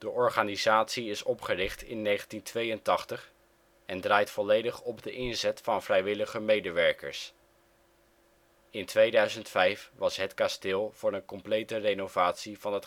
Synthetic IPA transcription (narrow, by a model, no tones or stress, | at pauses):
d̥əʔɔɹχaːnizaːtsiɪsɔpχərɪχtɪ̰nːejχəntintʋejəntɑχtəχ | ɛndraːjtfɔlejdəχɔbdəʔɪnzɛtfɑnvrɛjʋɪləχəmejdəʋɛɹkə̰ɹs | ɪntʋejdœɥzəntfɛjfʋɑsɦətkastɪːlˠv̥ʊːɹənkɔmplejtərejnovaːtsiv̥ɑnɦət